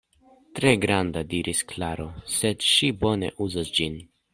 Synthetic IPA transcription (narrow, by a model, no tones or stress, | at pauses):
tɾe̞ɡɾand̪adiɾʔisklaɾo̞se̞dʃibo̞ne̞̰ʔuzasd͡ʒin